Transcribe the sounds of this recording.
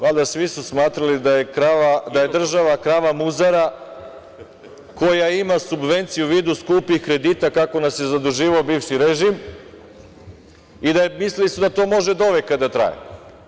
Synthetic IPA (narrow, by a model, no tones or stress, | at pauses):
ʋald̪asʋisusmaːt̪ɾalid̪ajekɾaʋad̪aje̞d̪r̩ʒaʋakɾaʋamuzaɾa | ko̞jaimasubʋe̞nt̪sijuʋiːd̪uskuːpixkɾe̞d̪iːt̪akako̞nasje̞zad̪uʒiːʋaobiːʋʃiɾeʒim | id̪amislilisud̪at̪o̞ːmo̞ʒed̪o̞ʋekad̪at̪ɾa̰jḛ